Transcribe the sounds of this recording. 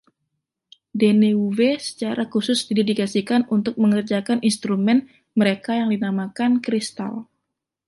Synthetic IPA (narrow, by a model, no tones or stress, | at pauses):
deneuvesə̥t͡ʃaɾakusʊsdidediɡasikanunt̪ʊk̚məŋərd͡ʒakanʔinst̪ɾumɛn | məɾekajaŋdinamakankɾist̪a̰l